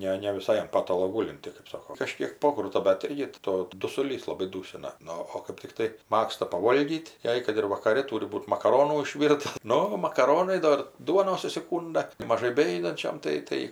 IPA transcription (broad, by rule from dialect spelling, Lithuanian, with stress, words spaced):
ˈnʲɛ nʲɛ ʋʲɪˈsɐɪ ɐn ˈpɑːtɐlˠoː ˈɡuːlʲɪnʲtʲɪ kɜp ˈsoːkoː kɐˈʃʲkʲiɛk ˈpoːkrʊtɐ bʲɛt ˈɪrʲɡʲɪ ˈtoː dʊsʊˈlʲiːs lˠɐˈbɐɪ ˈduːsʲɪnɐ ˈnʊ oː kɜp tʲɪkˈtɐɪ ˈmɑːkstɐ pɐˈʋoːlʲɡʲiːtʲ ˈjɛɪ kɐt ɪr ʋɐkɐˈrʲɛ ˈtuːrʲɪ ˈbuːt mɐkɐˈroːnuː ɪʃʲˈʋʲiːrtɐ ˈnʊ mɐkɐˈroːnɐɪ ˈdoːr ˈduɔnoːs ʊʃʲsʲɪˈkuːndɐ kɐɪ mɐˈʒɐɪ bʲɛˈjʊdɐnʲt͡ʃʲɛm ˈtɐɪ ˈtɐɪ